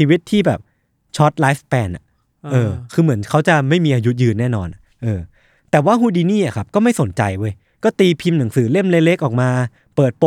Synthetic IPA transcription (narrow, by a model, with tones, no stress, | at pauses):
iː˧wi˦˥t̪ʰːiː˥˩bɛː˨˩p̚ | t͡ɕʰɔ˦˥t̪̚laː˦˥fpɛː˧nʔa̰˨˩ | ʔɤː˧kʰɯː˧mɯ˩˦ənkʰa˦˥wt͡ɕa˨˩ma˥˩jmiː˧ʔaː˧ju˦˥t̪̚jɯː˧nːɛː˥˩nɔ̰ː˧nʔa˨˩ | ʔɤː˧ | t̪ɛː˨˩waː˥˩ɦuː˥˩diː˧niː˥˩ʔa˨˩kʰa˦˥p̚kɔː˥˩ma˥˩jso˩˦nt͡ɕa̰˧jwɤː˧j | kɔː˥˩t̪iː˧pʰi˧mna˩˦ŋsɯː˩˦le˥˩mleː˧le˦˥k̚ʔɔː˨˩k̚maː˧ | pɤː˨˩t̪̚po˨˩